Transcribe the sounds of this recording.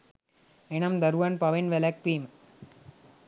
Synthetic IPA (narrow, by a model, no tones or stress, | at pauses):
enɐmd̪ɐɾuʋɐnpɐʋenʋelɐk̚piːm